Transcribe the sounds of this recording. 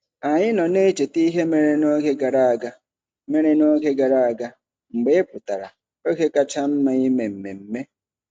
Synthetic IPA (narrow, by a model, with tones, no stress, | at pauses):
a˨ɲɪ˦nɔ˨ne˦t͡ʃe˨ti˦ɦe˦me˦ɾe˦no˦ke˦ɡa˨ɾa˦a˨ɡa˦ | me˦ɾe˦no˦ke˦ɡa˨ɾa˦˨a˨ɡa˦ | ŋ͡m̩˨ɡ͡be˦e˦pʊ˨ta˨ɾa̰˨ | o˦ke˦ka˦t͡ʃa˦m̩˦ma˦i˦me˨m̩˨me˨m̩˦me˦